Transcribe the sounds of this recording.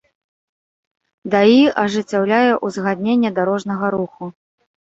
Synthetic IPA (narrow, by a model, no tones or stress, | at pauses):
d̪aiʔɐʐɨt͡sʲːawlʲajɛʔuzɣad̪ʲnʲenʲːɛd̪aɾɔʐnɐɣɐɾuxu